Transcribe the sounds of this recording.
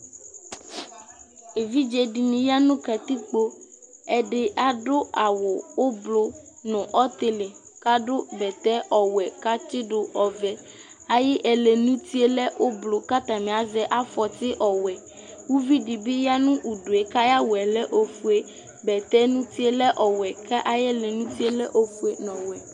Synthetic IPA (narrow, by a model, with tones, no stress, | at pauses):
e˨vi˦d͡ʒɛ˨ɖi˨mĩ˨ja˦nũ˦ka˨t̪i˦k͡po˦ɛ˦ɖɪ˨ʔa˨ɖo˦a˨wo˨wo˦blo˦nɔ̃˨ʔɔ˦t̪e˦le˨ka˦ɖo˦bɛ˨t̪ɛ˦ʔɔ˨wɛ˨ka˦t͡ʃɪ˦ɖo˨ʔɔ˨vɛ˨ | a˨jɛ˦ʔɛ˨le˨nũ˦t̪i˦e˦lɛ˦ʔo˦blo˨ka˦t̪a˨mẽ˨a˨zɛ˦ʔa˦fɔ˨t̪ɪ˦ʔɔ˨wɛ˨ | wu˦vi˦ɖi˨bi˦ja˦nũ˦ʔu˨ɖo˨e˨ka˦ja˦wo˨ɛ˨lɛ˦ʔo˨fu˨e˦ | bɛ˨t̪ɛ˦nũ˦t̪i˦e˦lɛ˦ʔɔ˨wɛ˨kɛ˦ʔa˦jɛ˦le˨nũ˦t̪i˦e˦lɛ˦ʔo˦fu˦e˨nɔ̃˨wɛ˨